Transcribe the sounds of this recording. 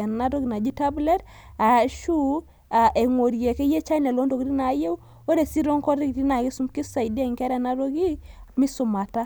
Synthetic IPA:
nna˦ɾo˦ɡi˨na˨d͡ʒi˦ta˦blɛ˦ɾ | a˨ʃu˦ | a˨ʔe˨ŋo˨ɾje˨ke˦je˦t͡ʃa˦nɛ˨lo˦ndo˨kɾi˦na˨˦je˦ | o˦ɾe˨si˦ɾo˦ŋkɔ˦ɾi˦kɾi˦na˨ɡi˦su˦mki˦sa˨jde˦˨ŋkɛ˦ɾɛ˨na˦ɾo˦ɡi˦mi˦sʊ˨ma˨ta˦

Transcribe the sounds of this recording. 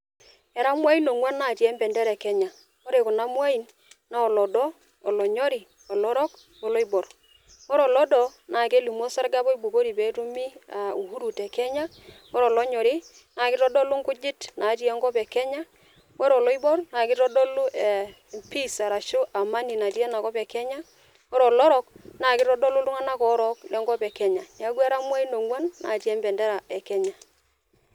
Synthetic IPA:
ɛ˨ɾa˦mwa˦i˦no˨ŋwa˦na˨tjɛ˦mbɛ˨ndɛ˦ɾɛ˨kɛ˦ɲa˨ | o˦ɾe˨kʊ˨na˦mwa˦i˨n | na˦ɔ˨lɔ˨dɔː˦˨ | lɔ˨ɲɔ˦ɾi˨ | ɔ˨lɔ˦ɾɔ˦k | o˨lɔ˦i˦bɔ˨ɾ | wɔ˦ɾɔ˨lɔ˦dɔ˨nʔa˨ke˦lu˨mo˦sa˦ɾɡa˦pɔ˦i˦bu˨ko˦ɾi˨pe˨˦tu˦mi˦a˨u˨hu˦ɾu˨tɛ˨kɛ˦ɲa˦ | ɔ˦ɾɔ˨lɔ˦ɲɔ˨ɾɪ˦ | na˨kɪ˦ɾɔ˦dɔ˦lʊ˦ŋkʊ˦d͡ʒɪ˦tna˨˦ti˦ɛ˦ŋɡɔ˦pɛ˨kɛ˦ɲa˦ | wɛ˦ɾɔ˨lɔ˦i˦bɔ˦ɾna˨kɪ˦tɔ˦dɔ˦lʊ˦ʔe˨ | pi˦sa˨ɾa˨ʃʊ˦ʔa˨ma˦ni˨na˨ti˦ɛ˦na˨kɔ˦pɛ˨kɛ˦ɲa˦ | wɔ˦ɾɔ˨lɔ˦ɾɔ˦k̚na˨kɪ˦tɔ˦dɔ˦lʊ˦tʊ˦ŋa˦na˦kɔ˨˦ɾɔ˦klɛ˦ŋɡɔ˦pɛ˨kɛ˦ɲa˨n˨a˦kwa˦ɾa˦m˦a˦i˦no˨ŋwa˦nːa̰˨˦ti˦ɛ˦mbɛ˨ndɛ˦ɾa˨ɛ˨kɛ˦ɲa˨

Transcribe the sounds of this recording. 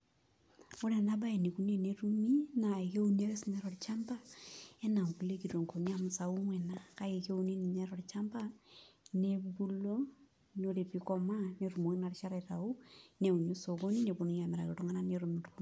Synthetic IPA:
o˦ɾe˨na˦ba˦e˨ni˨ku˨˦ne˦˨ne˨ɾu˦mi˦na˨ke˦u˦n˦e˦ɾe˦snɛ˨ɾɔ˨ɾt͡ʃa˦mba˦e˦na˨ŋku˨le˦ki˨ɾo˨ŋko˨nia˦mʊsa˨u˦ŋwɛ˨na˦ka˦je˨ke˦u˨ne˦ni˨ne˦ɾɔ˨ɾt͡ʃa˦mba˦ne˦bu˦lo˦ | no˦ɾe˨pi˨kɔ˦ma˦ne˨ɾu˨mo˨ŋi˦na˨rʃa˦ɾa˨ta˨u˦ne˨u˨no˦so˨ko˦ni˦ne˨bo˨nu˦a˨mɛɾa˨kɪ˨tu˦ŋa˦na˦ne˨ɾu˨mi˨tku˦

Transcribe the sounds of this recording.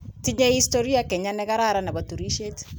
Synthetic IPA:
ti˦ɲe˦i˦sto˦ɾi˦a˦kɛ˨ɲa˦nɛ˦ka˦ɾa˦ɾa˨na˨bɔ˨tu˨ɾi˦ʃe˦t

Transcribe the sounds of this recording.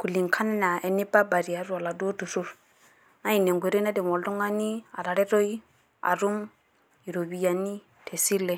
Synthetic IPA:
ku˨li˨ŋkʰa˦ne˦na˨ʔe˨ni˦ba˦ba˨ɾi˨a˨ɾu˦a˨la˨do˦du˨su˦ɾ | na˦i˨ne˨ŋɡʷe˨ɾe˦na˦di˨mo˨ldu˦ŋa˦ni˦a˨ɾa˨ɾe˦ɾo˦i˦ | a̰˨ɾu˦m | i˨ɾo˨βi˨ja˨ni˦ | tʰe˨si˦le˦˨

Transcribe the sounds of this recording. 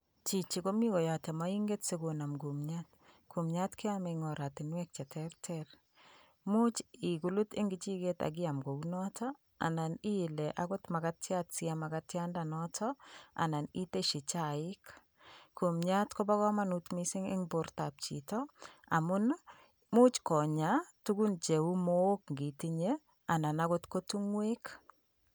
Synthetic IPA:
t͡ʃi˨t͡ʃi˨ko˦mi˦kɔ˨ja˨tɛ˨ma˦i˦ŋɡe˦tse˦ɡo˨na˨mɡu˨mɲat | kʰu˨mɲatkɪ˦ameŋɔ˨ɾa˨tɪ˨nwɛk̚t͡ʃɛ˨tʰɛɾtʰɛr | mu˦t͡ʃi˨ɡu˨lu˦tɪ˦ŋɡɪt͡ʃi˦ɡeta̰˨ɡɪ˦amɡo˨unɔtʰɔ | a̰˨na˨ni˦˨lɛʔaɡo˦tma˨katjatsiamakatjandanɔtʰɔa̰˨na˨ni˦te˦ʃi˨t͡ʃa˨ɪ˦k | ku˨mɲatkɔ˦ba˦ɣɔ˦ma˦nu˦tmi˦sɪ˦ŋɪ̰˦ŋbo˨rta˨p̚t͡ʃi˨tɔa˨mʊ˦n | mu˦t͡ʃkɔ˨ɲa˨tu˦ɡu˦nt͡ʃe˨wu˦mo˦o˦kŋɡi˨ti˦ɲe˦ | a˨na˨naɣo˦tko˦tu˦ŋwek

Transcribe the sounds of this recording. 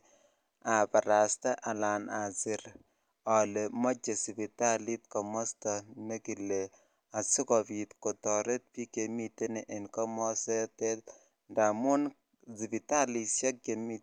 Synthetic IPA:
a˨pa˨ɾa˨sta˦ʔa˨la˨na˨sɪ˦ɾ | ɔ˨le˨mɔ˦t͡ʃe˨si˨pita˦li˦t̚kɔ˨mɔ˦sta˨me˦ki˨lːe˨ | a˨sɪ˦kɔ˨pi˨t̪kɔ˨tɔ˨ɾe˦t̚pi˦ke˨mi˦te˦ni˨ʔɪ˨nkɔ˦mɔ˦sɛ˦te˦t̚ | nda˨mʊ˦n | si˨pi˨ta˦li˨sa˦k̚ke˨mi˦

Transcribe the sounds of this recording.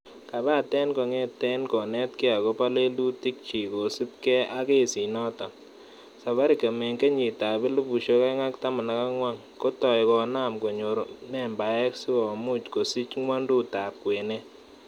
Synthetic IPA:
ka˨ba˦˨tɛ˦nko˨ŋɛ˦tɛ˦nkɔ˨nɛ˦tke˦a˨ko˦pa˦le˦lu˦ti˦k̚t͡ʃi˨ko˨si˦p̚kɛ˦a˦ke˦˨si˨nɔ˦ta˨ | sa˨βa˦ɾi˨ke˨mɛ˨ŋke˦ɲi˨ta˨bɪ˦lu˦bu˨ʃo˦kɛ˦ŋa˦kta˦ma˨na˨ka˦ŋwa˦ŋ | ko˦tɔ˨jkɔ˨na˦˨mko˨ɲo˨ɾmɛ˦mba˨ɛ˦ksi˦ɔ˨mu˦t͡ʃko˨si˦t͡ʃŋwa˦ndu˦ta˨p̚kwe˨ne˦

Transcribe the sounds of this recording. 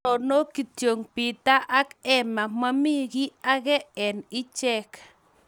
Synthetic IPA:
ɔ˨no˦ki˨t̪jo˨ŋpi˨t̪a˦ʔa˦kɛ˦ma˨ma˦mi˦ɡi˦a˦ɣɛ˦ɛ˨ni˦t͡ʃɛ˦k

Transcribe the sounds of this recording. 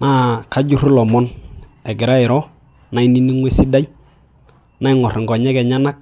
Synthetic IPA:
na˦ka˦ɟu˦ɾlɔ˨mɔ˦n | ɛ˨ɡɪ˨ɾa˦ɪ˨ɾɔ˦ | na˨˦i˦ni˦ni˦ŋwɛ˦si˦da˦j | na˦ɪ˦ŋɔ˨ɾŋɡɔ˨ɲɛ˦kɛ˨ɲa˦na˦k̚

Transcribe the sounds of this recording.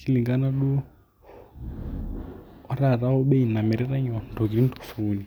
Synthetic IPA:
ki˦li˨ŋɡa˦na˦ɗu˦ | ɔ˦ɾa˨ɾa˦ɔ˦ɓɛ˦i˨na˨mɛ˨ɾɛ˦ɾa˦ɲɔ˨n˨to˨ɡi˨ɾi˦n˦to̥˨fu˨li˨

